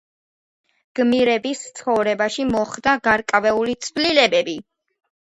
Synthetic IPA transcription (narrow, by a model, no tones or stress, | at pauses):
ɡ̥miɾɛbist̪sʰχɔvɾɛbaʃimɔχd̪aɡaɾkʼavɛulit̪sʰvlilɛbɛbi